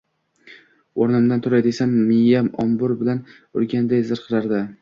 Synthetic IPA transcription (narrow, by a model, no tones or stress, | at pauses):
oɾnɪmd̪ant̪ʰʊɾajd̪esamːɪjːamɒ̰mbʊɾbɪlan | ʊ̰ɾɡʲand̪ajzɪɾqʰɨlaɾd̪ɪ